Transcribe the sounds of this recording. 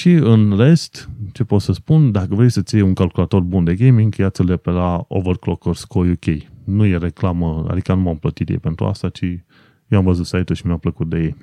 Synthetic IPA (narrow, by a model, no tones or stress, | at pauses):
ʃiɨnre̞st̪t͡ʃe̞po̞t̪səspund̪akəvɾe̞jsət̪sijeuŋkalkulat̪o̞rbund̪e̞ɡejmiŋɡjasʲɨlepelao̰vərklokorskojukʲejnuje̞ɾe̞klaməa̰d̪ikanumamplət̪it̪jḛjpe̞nt̪ɾṵa̰st̪at͡ʃi | jeamvəzut̪sajt̪uʃimjampləkut̪̚d̪e̞jej